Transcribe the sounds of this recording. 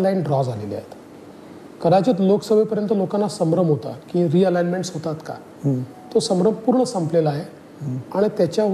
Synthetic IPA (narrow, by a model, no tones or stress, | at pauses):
lajnɖɾɔd͡zalḛlia̰ɦet̪ | kəɾat͡ɕət̪loksəbʱepəɾjənt̪əlokanːasəmɾəmɦot̪a̰kĩɾiəlajnmeɳʈsɦot̪at̪ka̰ | t̪osəmɾəmpuːɾɳəsəmpleləaɦe | aɽ̃it̪jat͡ɕja